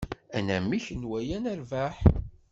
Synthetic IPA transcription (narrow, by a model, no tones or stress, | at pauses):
ænæmːiçənwæjænæɾvæħ